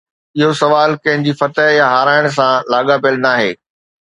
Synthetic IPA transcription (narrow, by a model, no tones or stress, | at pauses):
ɪɦosɐʋaːlkɐ̃ɦɪ̃ɲd͡ʑifɐt̪əɦjaɦaːɾaːɪɽ̃s̬ãlaːɠapəlnaːɦḛː